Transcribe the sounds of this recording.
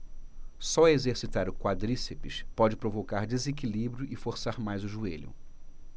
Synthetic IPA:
sɔezeɾsit̪aɾʊkwad̪ɾisepɪʃpɔd͡ʒɪpɾovokaɾd͡ʒezekilibɾjʊʔɪfoɾsaɾmajzʊʒueʎʊ̰

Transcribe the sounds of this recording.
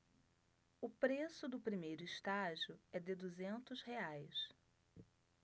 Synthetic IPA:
ʊpɾesʊd̪ʊpɾimejɾʊiʃt̪aʒiʊɛd̪ɪd̪uzẽnt̪ʊzheajs

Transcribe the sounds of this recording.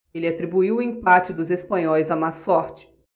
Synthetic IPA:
elɪat̪ɾibuiwʊĩmpat͡ʃɪd̪ʊzespɐ̃ɲɔjzɐmasɔɾt͡ʃɪ̥

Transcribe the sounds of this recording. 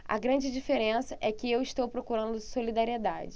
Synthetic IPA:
ɐ̰ɡɾɐ̃d͡ʒɪd͡ʒifeɾẽsɐʔɛkɪewɪʃt̪owpɾokuɾɐ̃nd̪ʊsolid̪aɾied̪a̰d͡ʒɪ

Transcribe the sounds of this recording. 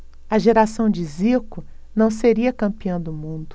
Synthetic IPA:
ɐʒeɾasɐ̃w̃d͡ʒɪziɾkʊ | nɐ̃w̃seɾiɐkɐ̃mpiɐ̃w̃d̪ʊmũnd̪ʊ

